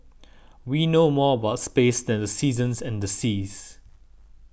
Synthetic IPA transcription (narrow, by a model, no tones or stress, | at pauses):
winomɔəbaʊtspesdɛ̃ndəsiːzə̃nsɛ̃ndəsis